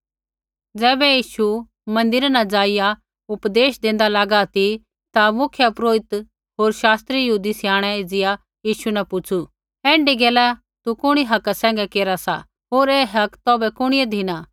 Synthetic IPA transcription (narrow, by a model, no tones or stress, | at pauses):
d͡zɛːbɛjiːʃu | mɐ̃nd̪ɪɾanad͡ʒaːɪja | ʊpd̪eːʃd̪ẽːnd̪alaːɡat̪i | t̪amʊkʰjapɾoːɪt̪ | ɦoːɾʃaːst̪ɾijɐɦuːd̪isɪjaːɽ̃ɛed͡zɪja | jiːʃunɐpʊt͡ʃʰu | ɛ̃ːɳɖiɡɛːla | t̪ukʊɽ̃iɦɐkasɛ̃ːŋɡɛkeːɾasa̰ | ɦoːɾɛːɦɐkt̪ɔːbɛkʊɽ̃ɪɛd̪ʱɪna